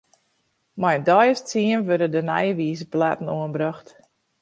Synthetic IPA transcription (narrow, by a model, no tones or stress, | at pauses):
majndɔjəstt͡siənʋødədənɛ̰jəʋiːzəplatn̩uənbraxt